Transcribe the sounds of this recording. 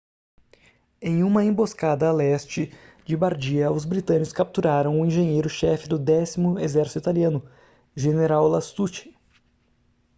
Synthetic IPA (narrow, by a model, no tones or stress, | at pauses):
ẽj̃ũmɐẽboskad̪ɐlɛst͡ʃɪ | d͡ʒɪbaɾd͡ʒiɐʊzbɾit̪ɐ̃nɪkʊskap̚t̪uɾaɾɐ̃w̃ʊĩʒẽɲejɾʊʃɛfɪd̪ʊd̪ɛsimʊezɛɾsi̥t̪it̪aliɐ̃nʊ | ʒeneɾawlast̪ut͡ʃɪ̥